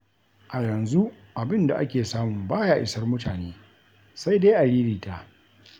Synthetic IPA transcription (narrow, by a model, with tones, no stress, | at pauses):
ʔa˨jɐ˨nzu˦ | ʔa˨bɪ˦nda̰˨ʔa˦kʲeː˨saː˦mʊ˨mbaː˦ja˦ʔɪ˦sɐ˦rmʊ˦taː˨neː˦ | sa˦jda˦ʔa˨ɽiː˦ɾiː˨ta˦ʔ